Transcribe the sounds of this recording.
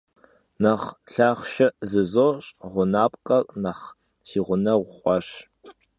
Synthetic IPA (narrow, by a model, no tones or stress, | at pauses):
naχɬaːχʷʃɐʔzɨzoɕʼʁʷʊnaːpʼqʼɐrnaχ | siːʁʷʊnɐʁʷʊχʷʼɔɕ